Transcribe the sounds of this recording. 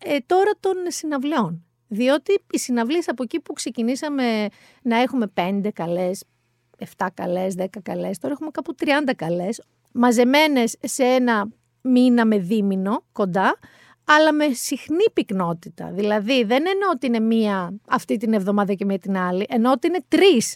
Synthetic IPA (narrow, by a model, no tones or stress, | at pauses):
et̪o̞ɾɐt̪o̞nsinɐvlio̞n | ðio̞t̪iːsinɐvliesɐpo̞ecipukse̞cinisɐme̞ | nɐe̞xume̞pe̞nd̪e̞kɐle̞s | e̞ft̪ɐkɐ̰le̞sðe̞kɐkɐle̞st̪oɾɐexume̞kɐput̪ɾiɐnd̪ɐkɐle̞s | mɐze̞me̞ne̞sːee̞nɐ | minɐme̞ðimino̞ko̞nd̪ɐ | ɐlɐme̞sixnipikno̞t̪it̪ɐ̰ðilɐðiðe̞neneot̪iine̞miɐɐft̪it̪inevðo̞mɐðɐcemiɐt̪inɐliʔe̞noot̪iine̞t̪ɾis